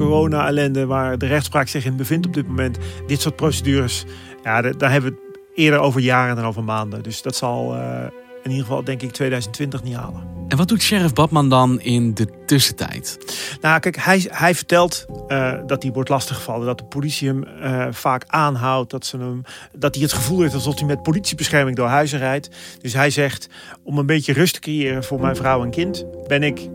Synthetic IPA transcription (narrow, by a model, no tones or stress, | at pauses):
korownaalɛndəʋaːɹdərɛxtspraːksɪxɪnbəvɪntɔb̚dɪt̚momɛntdɪtsʊɹt̚prosədyːrəs | jaddɔnɦɛbəʋət | ɪədəɹowvəɹjaːrəndɛnowvəɹmaːndədøsdɔtsɔlˠ | ɪnidəəvɑ̰lˠdɛŋkɪk̚tʰʋeːdœɥzəntʋɪntəxnitha̰ːlˠəɛnʋɔt̚dutʃɛrəfbɔtmandɑnɪndətøsətɛ̰jtnakɛkhɛjhɛjvərtɛlˠtdɔt̚diʋɔɹtlɑstəχəfɑlˠədɔtəpolitsiəmfaːkʔaːnɦawt̚dɔtsənəmdɔt̚diətχəvulˠheftɑlˠzɔfdimɛt̚politsibəsχɛrmɪŋdʊːɹɦœɥzərɛjtd̥øs̬ɦɛjzɛxtɔmənbetjərøstʰə̥krejɪːrənvʊːɹmɛjnvrawɛnkɪntbɪnɪk